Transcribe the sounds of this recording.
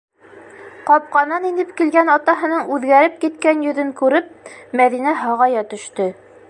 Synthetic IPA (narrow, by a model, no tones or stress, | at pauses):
qɑp̚qɑnɑninɘpkilɡænɑt̪ɑɦɤ̆nɤɴʉðɡæɾɘp̚kit̪kænjɵ̆ðɵŋkʉɾɘp̚mæðinæɦɑʁɑjɑt̪ɵ̆ʃt̪ɘ